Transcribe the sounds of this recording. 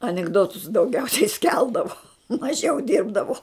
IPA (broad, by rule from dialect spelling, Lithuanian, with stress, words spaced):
ɐnʲɪɡˈdoːtʊs dɐʊˈɡʲɛʊsʲɛɪ ˈsʲkʲɛlˠdɐʋoː mɐˈʒʲɛʊ ˈdʲɪrbdɐʋoː